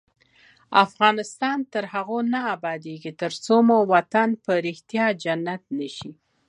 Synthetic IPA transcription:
afɣɑnɪst̪ɑnt̪əɾhaɣonaːbɑd̪eɡit̪əɾt͡somowat̪anpəɾɪxt̪jɑd͡ʒanːat̪̚nəʃi

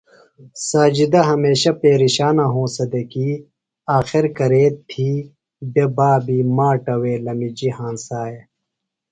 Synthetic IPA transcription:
saːd͡ʑid̪ɐɦɐmeːɕɐpeːɾiɕaːnaɦõːsɐd̪ekiː | aːxiɾkɐɾeːt̪̚t̪ʰiː | bebaːbiːmaːʈɐweːlɐmid͡ʑihãːnsaːe

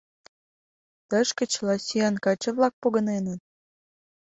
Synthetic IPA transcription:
t̪ə̆ʃkə̆t͡ɕlɑsʲiɑnkɑt͡ɕə̆βlɑk̚poɣə̆nenət̪̚

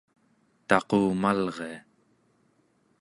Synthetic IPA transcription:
t̪ɑqoːmalʁe̞a

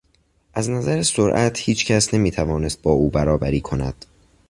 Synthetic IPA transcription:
ʔæznæzæɾesoɾʔæt̪ʰhiːt͡ʃcʰæsne̞miːt̪ʰævɒːne̞st̪̚bɒːuːbæɾɒːbæɾiːkʰonæ̰d̪̥

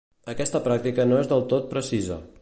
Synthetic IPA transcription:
əkɛst̪əpɾak̚t̪ikənoezðəlˠt̪ot̪̚pɾəsizə̰

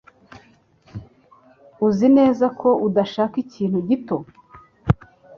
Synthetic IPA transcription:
uzine̞ːzakʰo̞ʔudaʃaːkiciːn̥huɟito̞

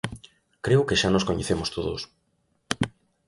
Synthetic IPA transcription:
kɾewkeʃanoskoɲḛθemost̪oðos

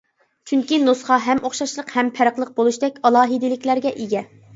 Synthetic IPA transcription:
t͡ʃʰyŋkʲinosχɑɦɛmʔoχʃɑʃlˠəqhɛmpʰæɾəqlˠəq̚bolˠuʃd̪ɛkʲɑlˠɑːɦɨd̪ɪlɪkʲlæɾɡʲɛʔiɡʲɛ

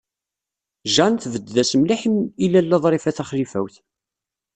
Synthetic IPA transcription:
ʒɑnθvəd̪ːæsmliħimilælːɑðˤɾˤɪfæθæχlifæ̰wθ

